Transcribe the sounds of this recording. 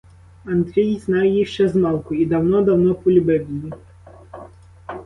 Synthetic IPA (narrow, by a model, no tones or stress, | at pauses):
and̪ɾʲijizʲnajʲjiʂt͡ʃɛzmɑlˠkʊid̪awnɔd̪awnɔpulʲibɛvʲilʲi